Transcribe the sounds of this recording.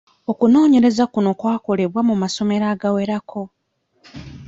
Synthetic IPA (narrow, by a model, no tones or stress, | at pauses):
okuno̞ːɲe̞ɾe̞zakuno̞kwaːko̞le̞βwamumaso̞me̞ɾaːɡawe̞ɾakʰo̞